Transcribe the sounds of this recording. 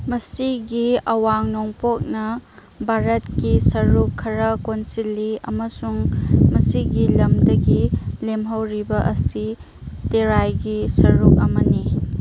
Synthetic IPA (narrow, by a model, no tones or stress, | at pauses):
mɐsiɡiɐwaŋnoŋpok̚nɐ | bʱaɾɐtkisɐɾukʰːɐɾɐkonsilːiɐ̰mɐsuŋmɐsiɡilɐmdɐɡilemɦɐwɾibɐʔɐsi | teɾajɡisɐɾuk̚ɐmɐni